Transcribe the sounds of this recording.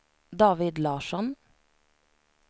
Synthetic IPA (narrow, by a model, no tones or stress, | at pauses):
d̪ɑːʋɪd̪lɑːʃɔn